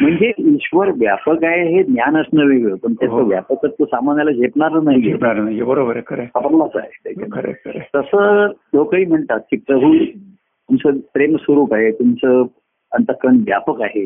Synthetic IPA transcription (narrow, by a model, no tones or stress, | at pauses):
m̤əɳd͡zeiɕʋəɾʋjapəkaɦeɦenjanəsnəʋeɡɭəːpəɳt̪əsɦəʋja̰pəkəɾt̪osamanjalad͡ʑepɳaɾənaepnaɾənaebəɾobəɾekəɾeəpəɾlasa̰ɦet̪ekəɾḛkəɾet̪əsəːlokəiːm̤əɳt̪at̪̚kiːpɾəbʱu | t̪umt͡səpɾemsʋəɾuːpaɦet̪umt͡sə | ənt̪əkɾəɳʋja̰pəkaɦe